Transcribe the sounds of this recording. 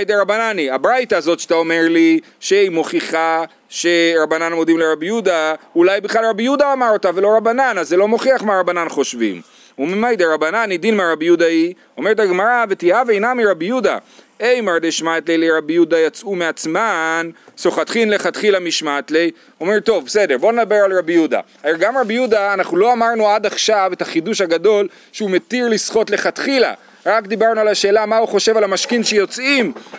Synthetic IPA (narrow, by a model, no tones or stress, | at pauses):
ajd̪eʁabananiabʁajt̪aːzo̞t̪ʃḁt̪aomeʁli | ʃeimo̞χiχa | ʃeɾabananmo̞d̪imleɾabijud̪aulajbiχlalʁabijud̪aːmaʁotavelo̞ʁabananazːelo̞mo̞χiaχmaʁabananχo̞ʃvḭm | umimajd̪eʁabananid̪inmeaʁabjud̪ai | o̞meet̪aɡmaʁavet̪iavejnamiɾabjud̪a̰ | ejmaʁd̪eʃmat̪lejleʁabijud̪ajat͡sumeat͡smansoχat̪χinle̞χat̪χilamiʃmat̪lej | o̞me̞ʁt̪o̞vbese̞deʁbo̞ned̪abe̞ʁalʁabijuda̰ | aelɡamʁabijudaːnaχnulo̞amaʁnuad̪aχʃave̞taχiduʃhaɡad̪o̞l | ʃeume̞t̪iʁlisχo̞tle̞χat̪χila̰ | ʁakd̪ibaʁnualaʃe̞ːlamauχo̞ʃe̞valamaʃkinʃejo̞t͡sim